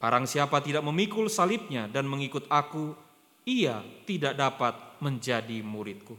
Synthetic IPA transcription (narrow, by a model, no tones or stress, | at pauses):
b̥aɾaŋsiapat̪idaʔ̚məmikʊlsalɪp̚ɲadanməŋikʊt̪̚aku | iat̪idaʔ̚dapat̪̚məɲd͡ʒadimuɾɪt̪̚ku